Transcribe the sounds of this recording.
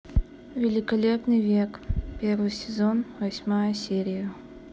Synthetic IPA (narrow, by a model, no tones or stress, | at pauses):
vʲɪlʲɪkɐlʲepnɨjvʲekpʲervɨjsʲɪzonvɐsʲmajəsʲeɾʲɪjə